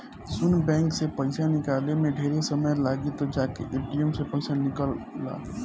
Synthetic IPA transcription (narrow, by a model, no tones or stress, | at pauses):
sʊnbɛ̃ːŋksepə̃ɪsanɪkaːlemẽɖʱeːɾesəməjlaːɡit̪od͡ʒaːkeʔeːpʈijəmsepɐ̃ɪsanɪkəlːa̰ː